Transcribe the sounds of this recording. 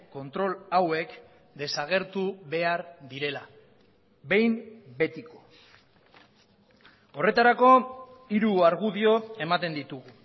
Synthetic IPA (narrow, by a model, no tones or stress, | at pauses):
ko̞nt̪ɾo̞lawe̞k | d̪e̞saɣ̞e̞ɾt̪uβe̞aɾðiɾe̞la | βe̞jmbe̞t̪iko̞̥ | o̞re̞t̪aɾako̞iɾuaɾɣuðio̞e̞mat̪e̞nd̪it̪uɣu